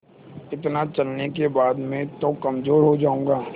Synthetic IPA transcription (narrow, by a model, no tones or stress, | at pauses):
ɪt̪nat͡ʃɐlnekebaːd̪mẽt̪okɐmzoːɾɦod͡ʒaːũŋɡaː